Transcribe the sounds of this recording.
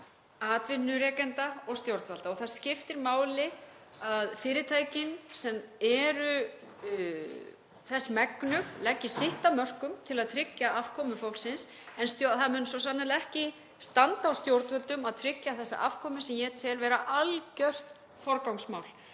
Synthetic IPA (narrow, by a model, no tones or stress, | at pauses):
aːt̪vɪnːʏɾɛːkɛnt̪aɔɣst̪jowɾt̪valt̪aɔɣθaɾ̥scɪft̪ɪɾmaːwlɪ | aðfɪːɾɪt̪ʰaːjcɪnsɛmɛɾʏ | θɛsːmɛknʏɣlɛcːɪsɪht̪amœr̥kʏmt̪ʰɪlaðt̪ʰɾɪcjaʔafkʰɔmʏfawlsɪns | ɛnst̪joθaðmʏːnsɔsanːalɛhcɪ | st̪ant̪aːwst̪jowɾt̪vœlt̪ʏmaðt̪ʰɾɪcjaθɛsːa̰ʔafkʰɔːmʏsɛmjɛt̪ʰɛlvɛːɾaʔalcœr̥t̪ | fɔɾkawŋsmaːwl